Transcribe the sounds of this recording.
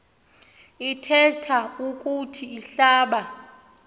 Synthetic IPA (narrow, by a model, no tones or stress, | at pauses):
itʰɛtʰaukʼutʰiiɬaːɓa